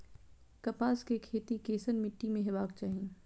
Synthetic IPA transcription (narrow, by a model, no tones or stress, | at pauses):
kɐpaːskekʰeːt̪ikeːsənmɪʈːimẽɦɪbaːk̚t͡ʃaːɦĩ